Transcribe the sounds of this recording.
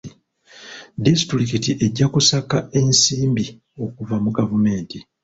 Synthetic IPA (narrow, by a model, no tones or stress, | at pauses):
disi̥tuɾikitiʔe̞ɟːakusakae̞nsiːmbi | o̞kuvamuɡavume̞ːnti